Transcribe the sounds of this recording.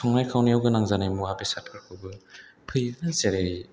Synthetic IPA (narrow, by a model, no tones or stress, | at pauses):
sʰɔŋnajkʰawniawɡɯnaŋzanajmuabesat̚kʰɯɾkʰɯbɯpʰɯjnɯzeɾe